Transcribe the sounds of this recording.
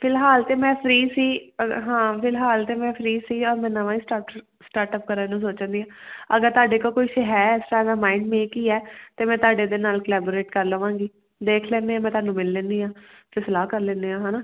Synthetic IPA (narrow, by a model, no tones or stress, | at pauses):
pʰɪlɦaːlt̪eːmɛ̃ːpʰɾiːsiːɦãːpʰɪlɦaːlt̪eːmɛ̃ːpʰɾiːsiːɔːɾmɛ̃ːnəʋãːiːsʈaː | sʈaːɾʈəp̚kəɾə̃nũːsoːt͡ʃə̃nd̪iːãːəɡəɾt̪ʊaːɖeːkoːkoːiːʃəɦɛːɛːsʈaːd̪aːmaːɪɳɖmẽːkiːɛːt̪eːmɛ̃ːt̪aːɖeːd̪enaːlkəlɛːboːɾeːʈkəɾləːʋãːŋɡiː | d̪eːkʰlɛ̃ːnd̪eːãːmɛ̃ːt̪ʊwaːnũːmɪlːɛ̃ːnd̪iːãː | pɪslaːkəɾlɛ̃ːnd̪eːãːɦaːnaː